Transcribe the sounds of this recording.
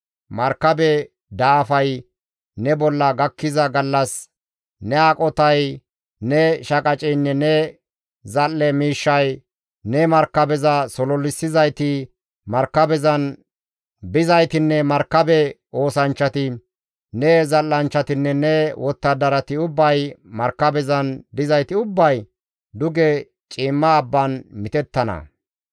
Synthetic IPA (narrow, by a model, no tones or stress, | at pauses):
mɐɾkːɐbɛ | d̪aːfɐj | nɛbɔlːɐɡɐkːɪzɐɡɐlːɐs | nɛakʼɔt̪ɐj | nɛʃɐkʼɐt͡ʃʼɛjnːɛnɛ | zɐlːɛmiːʃːɐj | nɛmɐɾkɐbɛzɐsɔlɔlːɪsːɪzɐjt̪ɪ | mɐɾkːɐbɛzɐn | bɪzɐjt̪ɪnːɛmɐɾkːɐbɛ | o̞ːsɐnt͡ʃːɐt̪ɪ | nɛzɐlːɐnt͡ʃːɐt̪ɪnːɛnɛwʔɔt̪ːɐd̪ɐɾɐt̪ɪʊbːɐjmɐɾkːɐbɛzɐnd̪ɪzɐjt̪ɪʊbːɐj | d̪ʊɡɛ | t͡ʃʼiːmːɐːbːɐnmɪt̪ɛt̪ːɐnɐ̰